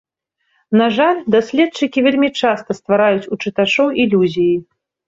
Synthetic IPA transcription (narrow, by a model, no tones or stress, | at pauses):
naʐalʲd̪asʲlʲɛt̪̚t͡ʂɨkʲivʲelʲmʲit͡ʂast̪ɐst̪vaɾajut͡sʲut͡ʂɨt̪at͡ʂɔwʔilʲuzʲiji